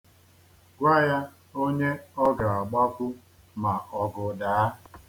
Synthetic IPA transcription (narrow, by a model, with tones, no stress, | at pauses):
ɡʷa˦ja˦ | o˦ɲe˦ɔ˦ɡa˨a˨ɡ͡ba˦kʷʊ˦ | ma˨ɔ˨ɡʊ˨daː˨˦